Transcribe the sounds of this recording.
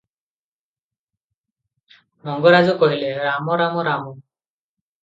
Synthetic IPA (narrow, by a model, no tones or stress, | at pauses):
ɾɔŋɡɔɾazukɔɦileɾamɔɾamɔɾamɔ